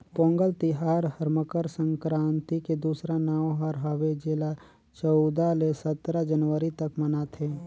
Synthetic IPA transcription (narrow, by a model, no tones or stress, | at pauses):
põːŋɡəlt̪ɪɦaːɾɦəɾməkəɾsə̃ŋkɾãːnt̪iked̪uːsɾanaːwɦəɾɦəʋed͡ʒela | t͡ʃɔʊd̪alesət̪ɾad͡ʒənʋəɾit̪ɐkmənaːt̪ʰɦeː